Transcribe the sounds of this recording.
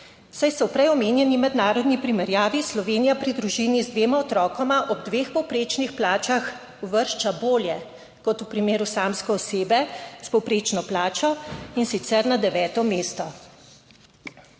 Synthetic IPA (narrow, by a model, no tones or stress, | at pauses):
sajsɔwpɾɛjɔmeːnjɛnimɛd̪naːɾɔd̪nipɾimɛɾjaːʋislɔʋeːnijapɾid̪ɾuʒinizd̪ʋeːmaɔt̪ɾɔːkɔmaʔɔb̚d̪ʋeːxpɔwpɾeːt͡ʃnixplaːt͡ʃax | uʋəɾʃt͡ʃaboːljɛ | kɔt̪upɾimeːɾusaːmskɔːseːbɛspɔwpɾeːt͡ʃnɔplaːt͡ʃɔinsit̪sɛɾnad̪ɛʋɛːt̪ɔmeːst̪ɔ